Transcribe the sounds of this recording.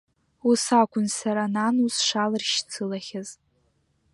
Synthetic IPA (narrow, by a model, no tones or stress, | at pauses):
usakʷʊnsaɾananusʂalɨrʃt͡sʰɨlaχʲaz